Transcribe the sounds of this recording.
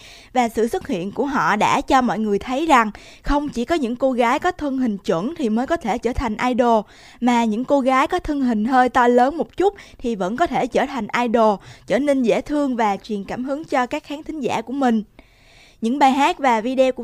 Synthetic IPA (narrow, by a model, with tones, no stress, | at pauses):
vaː˨˩sɨ̰˧˨swə˦˥t̚hḭ˧˨ənku˧˩əɦɔ̰˧˨ɗa̰ː˧˥t͡ɕɔ˧mɔ̰˧˨jŋɨ˨˩əjt̪ʰə˨˦jza˨˩ŋ | xə˧wŋ͡mt͡ɕi˧˩kɔ˨˦ɲɨ̰˧˥ŋko˧ɣaː˨˦jkɔ˨˦t̪ʰɨ˧əŋɦï˨˩ŋ̟t͡ɕwə̰˧˩˨nt̪ʰi˨˩məː˨˦jkɔ˨˦t̪ʰe˧˩t͡ɕəː˧˩t̪ʰa˨˩jŋ̟ʔaː˧jɗo˨˩ | maː˨˩ɲɨ̰˧˥ŋko˧ɣaː˨˦jkɔ˨˦t̪ʰɨ˧əŋɦï˨˩ŋ̟ɦəː˧jt̪ɔ˧ləː˨˦nmo˨˩p̚t͡ɕu˦˥k͡p̚t̪ʰi˨˩və̰˧˥nkɔ˨˦t̪ʰe˧˩t͡ɕəː˧˩t̪ʰa˨˩jŋ̟ʔaː˧jɗo˨˩t͡ɕəː˧˩ne˧nzḛ˧˩t̪ʰɨ˧əŋvaː˨˩t͡ɕwi˨˩ənkaː˧˩mɦɨ˨˦əŋt͡ɕɔ˧kaː˦˥k̚xaː˨˦ŋt̪ʰï˨˦ŋ̟za̰ː˧˩ku˧˩əmï˨˩ŋ̟ | ɲɨ̰˧˥ŋɓaː˨˩jɦaː˦˥k̚vaː˨˩vi˧ɗe˧ku˧˩